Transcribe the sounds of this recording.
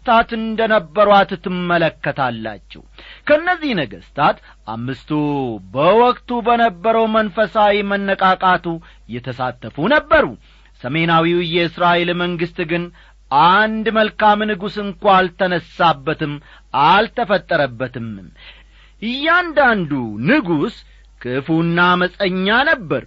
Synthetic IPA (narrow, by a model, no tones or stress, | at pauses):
st̪ʰat̪ɨnd̪ənəbːəɾwat̪t̪ːɨmːələkːət̪ʰalːa̰t͡ʃːɛ̰wkʰəɨnːəzːihnəɡəst̪ʰat̪ | ʔa̰mːɨst̪ʰubəwɔkʼt̪ubənəbːəɾəwmənfəsawimənːəkʼakʼat̪ʰu | jɛt̪ʰəsat̪ːəfunəbːəɾu | səme̞nawiwjɛɨsɾaʔelməŋɡɨst̪ɡɨn | ʔand̪məlkamnɨɡusɨŋkʷalt̪ʰːənəsːabːət̪ɨm | ʔalt̪ʰəfət̪ʼːəɾəbːət̪ʰɨm | ʔɨjːɛand̪and̪unɨɡus | kʰɨfunːaməsʼəɲːanəbːəɾ